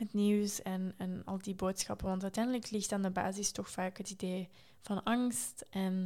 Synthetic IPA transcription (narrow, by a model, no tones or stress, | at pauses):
ɦətniwsɛnɛnɑ̰lˠdiboːtsxɑpənʋɑntœtɛjndələklɪxtandəba̰ːzɪstɔxfaːkɦətideː | v̥ɑnɑŋstʔɛn